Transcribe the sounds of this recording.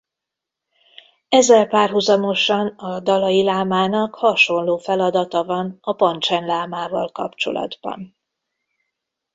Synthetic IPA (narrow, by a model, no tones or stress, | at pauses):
ɛzɛlpaːrɦuzɒmo̞ʃɒnɒd̪ɒlɒjilaːmaːnɒkhɒʃo̞nloːfɛlɒd̪ɒt̪ɒvɒnɒpɒnt͡ʃɛnlaːmaːvɒ̰lkɒ̰pt͡ʃo̞̰lɒ̰d̪bɒ̰n